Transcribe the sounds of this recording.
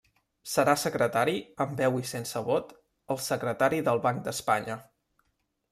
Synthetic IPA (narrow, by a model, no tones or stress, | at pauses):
səɾasəkɾət̪aɾiəmbɛwisensəβɔt̪ | əlˠsəkɾət̪aɾiðəlˠβaŋk̚d̪əspaɲə